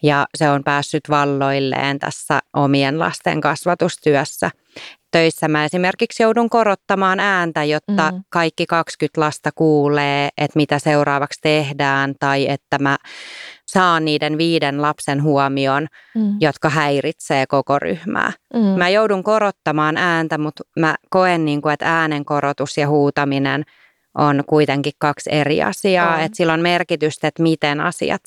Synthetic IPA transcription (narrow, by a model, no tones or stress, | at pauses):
jɑseompæːsːyt̪ʋɑlːoilːḛːnt̪æ̰sːæ̰ʔomienlɑ̰st̪ḛŋkɑsʋɑt̪ust̪yœsːæ | t̪øisːæmæesimerkiksjouduŋkorot̪ːɑmɑːnæːnt̪æjot̪ːɑkɑikːikɑkskyt̪lɑst̪ɑkuːleːʔet̪mit̪æseurɑːʋɑkst̪ehdæːnt̪ɑiet̪ːæmæ | sɑːnniːdenʋiːdenlɑpsenɦuɔmion | jot̪kɑɦæirit̪seːkokory̰hmæ̰ːmæjouduŋkoɾot̪ːɑmɑːnæːnt̪æmut̪mækoenːiːŋkuet̪æːneŋkoɾot̪usjɑhuːt̪ɑminen | ʔonkuit̪eŋkikkɑkserḭɑ̰siɑːet̪silːonmerkit̪yst̪et̪mit̪enɑ̰sḭɑ̰t̪